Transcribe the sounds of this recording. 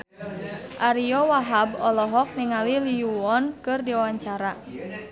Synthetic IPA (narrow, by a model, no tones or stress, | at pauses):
ʔaɾiɔwaɦabɔlɔɦɔk̚niŋaliliuɔnkɨrdiwawaɲt͡ʃaɾa